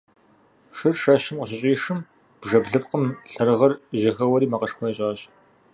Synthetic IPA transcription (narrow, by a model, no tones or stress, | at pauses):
ʂɨrʂɐɕɪmqəɕ̬ɪɕʼiːʂɨm | b̥ʐɐbɮɨp̚qəmɬɐrɨʁɐrʑɐxɐwɐɾiːmɐqɐʂxʷɐɐɕʼaːɕ